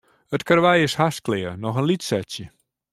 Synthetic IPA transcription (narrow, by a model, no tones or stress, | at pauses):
ətkarʋɛjɪshasklɪːənɔxənlitsɛtsjə